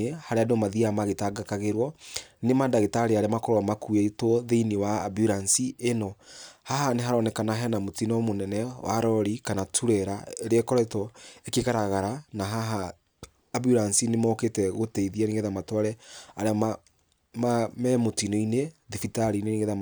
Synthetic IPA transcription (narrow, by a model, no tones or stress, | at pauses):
ehaɾeadomaðiamaɣetaɡakaɣeɾwɔnemadaɣetaɾeaɾeamakɔɾɔmakuetwɔðeiniwa̰ːbjuɾansienɔhaɦaneɦaɾɔnɛkanaɦɛnamotinɔmonɛnɛwa̰ɾɔɾikanatʰuɾɛɾaeɾeekɔɾɔitɔekeɣaɾaɣaɾanaɦaɦaː | bjuɾansinemɔketɛɣotɛiðianeŋɣeðamatwaɾɛaɾeama | mamɛmotinɔineðifitaɾineneɣeðam